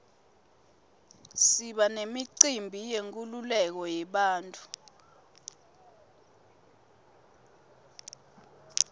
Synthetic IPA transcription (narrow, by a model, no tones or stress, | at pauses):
siɓanemiǀimbʱijeŋk̬ʼululɛk̬ɔjɛɓaːntʼu